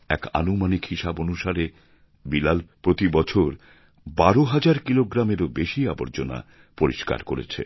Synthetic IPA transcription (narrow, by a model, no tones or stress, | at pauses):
ɛ̰ka̰numanikhiʃabonuʃaɾe | bilalpɾot̪ibɔt͡ɕʰoɾ | baɾoɦad͡ʑaɾkiloɡɾameɾobeʃiaboɾd͡ʑona̰ | poɾiʃka̰ɾkoɾḛt͡ɕʰḛ